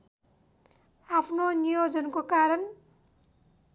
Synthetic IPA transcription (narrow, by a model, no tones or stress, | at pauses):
apʰnonijod͡zʌnkokaɾʌn